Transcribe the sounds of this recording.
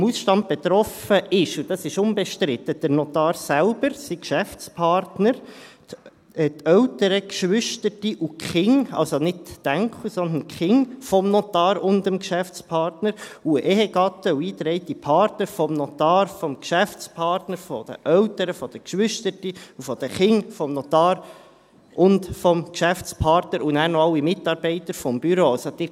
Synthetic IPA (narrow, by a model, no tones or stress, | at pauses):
musʃtɑnt̪̚b̥et̪ɾɔfəɪʃud̥ɑsɪʃʊnbɛʃtɾɪt̪ːəd̥əɾnɔt̪ɑːɾsælbəɾsikʃæft͡spʰɑrtnəɾt | tœʊtəɾəkʃʋʏʃtətiʔukχɪŋɑ̰lsonɪtːæŋkʰχusɔnd̪ənkχɪŋfɔmnɔt̪ɑːɾʊndəmkʃæft͡spʰɑːɾtnəɾuəʔeɦɛɡ̥ɑt̪ːəuiːt̪ɾɛɪt̪ipʰɑːɾtnəɾfɔmnɔt̪ɑːɾfɔmkʃæft͡spʰɑɾtnəɾfɔd̥̪ə̰ʔœwtəɾəfɔd̥əkʃʋʏʃtətiufɔd̥̪əχɪŋfɔmnɔt̪ɑːɾ | ʊndfɔmkʃæft͡spʰɑːɾtnəɾunæːɾnɔɑwimɪtɑːɾbɛɪt̪əɾfɔmb̥yɾoːsod̥̪ɪɾ